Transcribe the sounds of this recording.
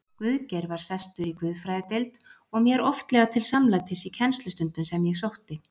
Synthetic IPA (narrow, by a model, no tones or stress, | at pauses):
kvʏðcɛɾvaɾ̥sɛst̪ʏɾikvʏðfɾajðɪt̪ejlt̪ | ɔɣmjɛɾɔft̪lɛɣat̪ʰɪlsamlat̪ʰɛsicʰɛnst̪lʏst̪ʏnt̪ʏnsɛmjɛɣsowht̪ɪ